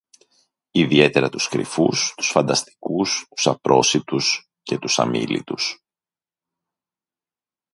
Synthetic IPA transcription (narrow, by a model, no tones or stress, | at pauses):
iðie̞t̪e̞ɾɐt̪uskɾḭfust̪u̥sfɐnd̪ɐst̪i̥kust̪u̥sɐpɾʔo̞sit̪us | ce̞t̪usɐ̰mḭlḭt̪us